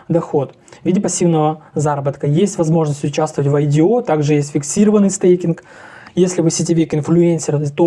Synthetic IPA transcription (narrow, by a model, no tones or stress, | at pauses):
d̪ɐxo̞t̪ | vʲidʲɪpɐsʲːivnəvəzaɾəbət̪kəjesʲtʲvɐzmo̞ʐnəsʲtʲʊt͡ɕæst̪vətʲvɐjdʲɪo̞t̪aɡʐɨjesʲtʲfʲɪksʲiɾəvənːɨjst̪ejkʲɪnk | jesʲlʲɪvɨsʲɪtʲɪvʲekʲɪnflʲʊenʲsʲɪrt̪o